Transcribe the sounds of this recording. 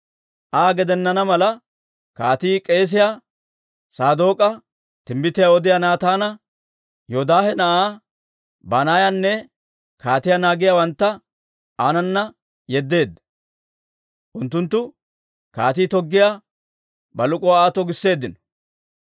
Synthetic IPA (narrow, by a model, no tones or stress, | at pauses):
ʔaːɡɛd̪ɛnːɐnɐmɐlɐ | kaːt̪iːkʼe̞ːs̬ɪja | saːd̪o̞ːkʼɐ | t̪ɪmbɪt̪ɪjaɔd̪ɪjaːnaːt̪aːnɐ | joːd̪aːhɛnɐʔaː | banaːjanːɛ | kaːt̪ɪjanaːɡɪjawɐnt̪ːɐ | ʔaːnɐnːɐ | jɛd̪ːe̞ːd̪ːɐ | ʔʊnt̪ːʊnt̪ːʊ | ka̰ːt̪iːt̪ɔɡːɪja | bɐlʊkʼɔaːt̪ɔɡɪsːe̞ːd̪ːɪnɔ̥